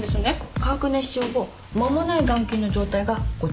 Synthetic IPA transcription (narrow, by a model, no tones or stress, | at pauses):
d̪esnekaːkɯ̟nẽɕoːɡo | mamo̞naiɡãŋkʲiːno̞d͡ʑo̞ːt̪aiɡaɡ̥o